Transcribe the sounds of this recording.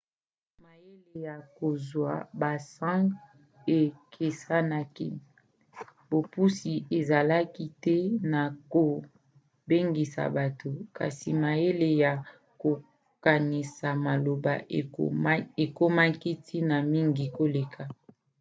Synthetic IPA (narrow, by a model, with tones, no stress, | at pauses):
ma˨je˦le˨ja˨ko˨zwa̰˨ba˨sã˦ | e˨kʰe˨sa˦na˦kḭ˦ | bo˨pu˦si˨e˨za˨la˦ki˦tɛ˦na˨ko˨ | be˦ŋɡi˨sa̰˨ba˨to˨ka̰˨si˨ma˨je˦le˨ja˨ | ko˨ | ka˨ni˨sa˨ma˨lo˨ba̰˨˦ | e˨ko˦ma˦ki˦tʰi˦na˨mi˦ŋɡi˨ko˦le˨kʰa˦